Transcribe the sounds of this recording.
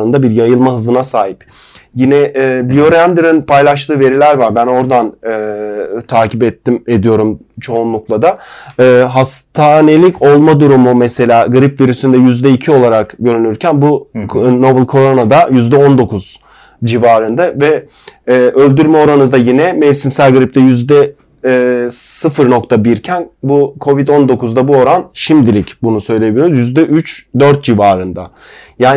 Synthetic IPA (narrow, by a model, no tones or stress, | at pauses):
ɯnd̪abiɾjajɯlˠmaɦɯzɯnasaːɦip | jinɛʔbijo̞ɾænd̪iɾinpʰajlˠaʃ̬t̪ʰɯːve̞ɾilʲæɾvaɾbæno̞ɾd̪anɯːt̪ʰaːcʰipɛt̪ʰːime̞d̪ijo̞ɾumt͡ʃʰo̞unlˠuklˠad̪aɯːɦast̪ʰaːne̞lʲicʰo̞lˠmad̪uɾumumɛse̞lʲaːɡɯɾipviɾysynd̪ɛjyzd̪ɛicʰio̞lˠaɾakɟø̞ɾynyɾcʰænbuno̞bɯlˠkʰo̞ɾo̞nad̪ajyzd̪ɛo̞nd̪o̞kʰuz̥ | d͡ʒivaːɾɯnd̪avɛː | ʔø̞lʲd̪yɾmɛo̞ɾanɯd̪ajinɛmɛvsimsælʲɡɯɾip̚t̪ɛjyzd̪ɛː | sɯfɯɾno̞kt̪ʰabiɾcʰænbukʰo̞vid̪o̞nd̪o̞kuzd̪abuo̞ɾanʃimd̪ilʲicbunusø̞jlʲebilʲijoɾzjyzd̪ɛʔyt͡ʃd̪øɾt̪̚d͡ʒivaːɾɯnd̪a | jaː